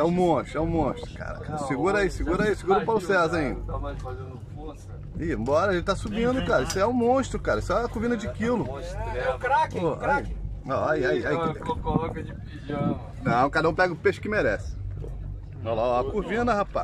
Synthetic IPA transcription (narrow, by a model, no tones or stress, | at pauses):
ɛʊ̃mõʃt̪ɾʊɛʊ̃mõʃt̪ɾʊka̰ɾa̰kasiɡuɾaisɪɡuɾaisɪɡuɾɐpaɾʊsɛzaĩnd̪ɐamafazẽd̪ʊfos | iẽmbɔɾɐʒẽt͡ʃt̪asubĩd̪ʊkaɾɐisʊɛʊ̃mõʃt̪ɾʊkaɾɐisʊɛɐkuvĩnɐd͡ʒɪkilʊɛkɾakɔɾa̰iɔaiaiaikoɔkɐɪpid͡ʒɐ | nɐ̃w̃kad̪ɐũpɛɡʊpeʃʊ̥kɪmeɾɛsɪ̥o̰ | ɔlaakuvĩnɐhapa̰